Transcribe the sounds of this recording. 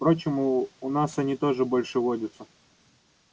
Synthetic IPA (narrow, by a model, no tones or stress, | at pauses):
pɾo̞t͡ɕɪmʊʊnasɐnʲit̪o̞ʐɨbolʲʂɨvodʲʊt̪sə